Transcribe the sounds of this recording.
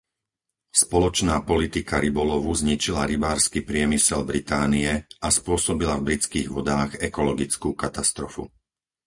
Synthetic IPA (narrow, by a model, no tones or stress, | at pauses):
spɔlɔt͡ʃnaːpɔlit̪ikaɾibɔlɔʋuzɲit͡ʃilaɾibaːɾskipɾɪɛmisɛlbɾit̪aːniɛʔaspʊɔsɔbilavbɾit͡skiːɣʋɔd̪aːɣɛkɔlɔɡit͡skuːkat̪ast̪ɾɔfṵ